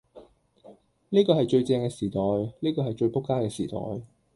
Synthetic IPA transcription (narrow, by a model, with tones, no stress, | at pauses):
niː˥kɔː˧hɐ˨jt͡ʃɵ˧ɥt͡sɛː˧ŋkɛː˧siː˨˩t̪ɔː˨jniː˥kɔː˧hjt͡ʃɵ˧ɥpʊ˥kːaː˥kɛː˧siː˨˩t̪ɔ̰ː˨˩j